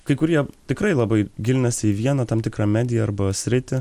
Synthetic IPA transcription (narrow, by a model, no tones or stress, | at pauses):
kɐɪkʊɾʲiɛt̪ʲɪkɾɐɪlˠɐbɐɪɡʲɪlʲnʲɛsʲɪiʋʲiɛnɐt̪ɐmt̪ʲɪkɾɑːmʲæːd̪ʲɪjɛɐɾbɐsʲɾʲɪt̪ʲɪ